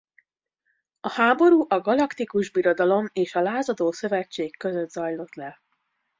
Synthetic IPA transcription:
ɒhaːbo̞ɾuːʔɒɡɒlɒkt̪ikuʒbiɾo̞d̪ɒlo̞meːʃɒlaːzɒd̪oːsø̞vɛt͡ʃːeːkːø̞zød̪zɒjlo̞t̪lɛ

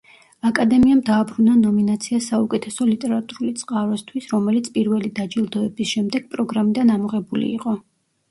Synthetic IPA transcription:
akʼad̪ɛmiamd̪aːbɾunanɔminat̪sʰiasaukʼɛt̪ʰɛsɔlit̪ʼɛɾat̪ʼuɾulit̪sʼqʼaɾɛst̪ʰwisɾɔmɛlit̪sʰpʼiɾvɛlid̪ad͡ʒilˠd̪ɔɛbisʃɛmd̪ɛɡ̥̚pʼɾɔɡɾamid̪anamɔʁɛbulḭḭqʼɔ

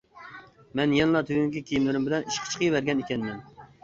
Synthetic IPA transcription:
mɛnjɛnlˠɑt̪ʰøɡʲyŋkʲɛkʲʰijimlɪɾymbɪlɛniʃqʰə̥t͡ʃʰqʰəjvæɾɡʲɛnikʲɛnmɛm

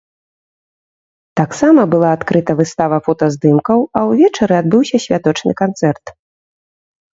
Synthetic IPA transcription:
t̪aksamɐbɨlˠaːt̪kɾɨt̪ɐvɨst̪avɐfɔt̪ɐzd̪ɨmkɐwɐwvʲɛt͡ʂɐɾɨad̪̚bɨwsʲɐsʲvʲat̪ɔt͡ʂnɨ̰kant̪sɛrt̪

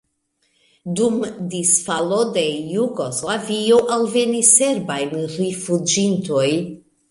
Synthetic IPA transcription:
dumdisfalo̞de̞juɡoslavioʔalve̞nise̞ɾbajnrifud͡ʒinto̞j

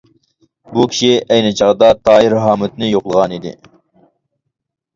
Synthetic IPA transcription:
bukʲʰi̥ʃiæjnɪt͡ʃʰɑʁd̪ɑt̪ʰɑːiɾɦɑːmɪt̪nɪjoqlˠəʁɑnid̪ɪ̰

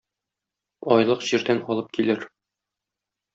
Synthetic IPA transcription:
ɒjlˠɤqʑiɾd̪ænɒlˠɤp̚kilɘɾ

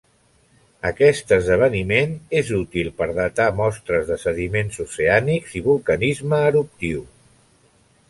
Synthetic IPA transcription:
əkɛst̪əzðəβ̞ənimenezut̪ilˠpəɾðət̪amɔst̪ɾəzðəsəðimenzuseanikziβulˠkənizməːɾup̚t̪iw

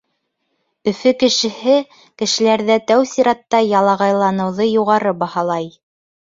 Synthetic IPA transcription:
ɵ̆fɵkɘ̆ʃɘ̆hɘ | kɘ̆ʃɘ̆læɾðæt̪æwsiɾɑt̪ːɑjɑlˠɑʁɑjlˠɑnɤ̆wðɤjuʁɑɾɤbɑhɑlˠɑj

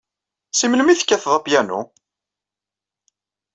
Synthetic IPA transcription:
siməlmiθə̥kːæθðˤɑpjænṵ

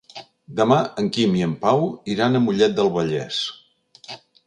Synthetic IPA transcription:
d̪əmaəŋkimiəmpawiɾanəmuʎɛt̪̚d̪əlˠβəʎɛ̰s

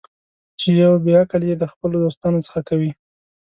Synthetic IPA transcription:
t͡ʃejawbeakəljed̪əxpəlod̪ost̪ɑnot͡sə̥xakawi

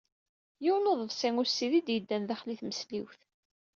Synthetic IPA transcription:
jiwnoðˤəvsiŋʊɾsːiðid̪jəd̪ːænðæχliθməsliwθ

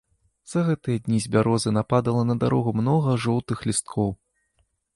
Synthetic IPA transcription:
z̥ɐɣɛt̪ɨjɐd̪ʲnʲizʲbʲaɾɔzɨnapad̪ɐlˠɐnɐd̪aɾɔɣumnɔɣɐʐɔwt̪ɨxlʲist̪̚kʰɔw

